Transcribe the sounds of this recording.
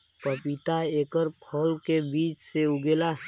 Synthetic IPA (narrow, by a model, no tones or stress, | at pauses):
pəpit̪aeːkəɾpʰəlkebiːt͡ʃseʊɡeːla